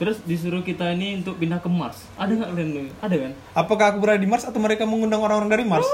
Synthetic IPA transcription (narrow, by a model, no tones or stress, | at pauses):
t̪əɾʊsdis̬uɾʊkit̪ainiunt̪ʊk̚pindakəmars | adaŋɡaʔlanluadakan | ʔapakahːkubəɾadadimarsat̪awməɾekaməŋundaŋoɾaŋoɾaŋdaɾimars